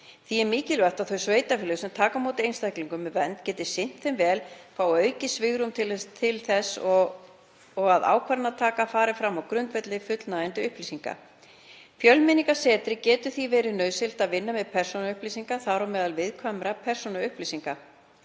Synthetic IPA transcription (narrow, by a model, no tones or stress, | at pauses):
θiɛɾmiːcɪlvɛr̥t̪aðθœɥsveːjt̪afɪlɪsɛmt̪ʰaːkamoːwt̪ɪejnst̪ajkliŋkʏmːɛvɛnt̪cɛːt̪ɪ̥sɪn̥t̪θɛmvɛːlkʰawœːɥcɪsvɪɣɾʏmt̪ʰɪlt̪ʰɪlθɛsːɔ | ɔɣaða̰ːwkʰvaɾnat̪ʰaːkafaːɾɪfɾamːawkɾʏnt̪vɛt̪lɪfʏt̪lnaɪnt̪ɪʏhplisiŋka̰ | fjœlmɪniŋkḁsɛːt̪ɾɪcɛːt̪ʏ̥θivɛːɾɪnœɥsɪl̥t̪aðvɪnːamɛðpʰɛr̥sɔnaʏhplisiŋkaθaɾɔmɛːðalvɪðkʰvamɾapʰɛr̥sɔnaʏhplisiŋka